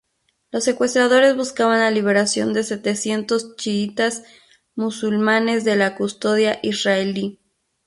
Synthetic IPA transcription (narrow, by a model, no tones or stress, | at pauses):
lo̞se̞kwe̞st̪ɾaðo̞ɾe̞zβuskaβanlaliβ̞e̞ɾasjo̞̰nd̪e̞se̞t̪e̞sje̞nt̪o̞st͡ʃiit̪az | musulmane̞zðe̞lakust̪o̞ðjaʔisraeli